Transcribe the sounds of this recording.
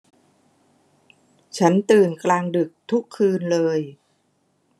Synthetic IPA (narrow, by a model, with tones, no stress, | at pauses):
t͡ɕʰa˦˥nt̪ɯː˨˩nklaː˧ŋdɯ˨˩k̚t̪ʰu˦˥kʰːɯː˧nlɤː˧j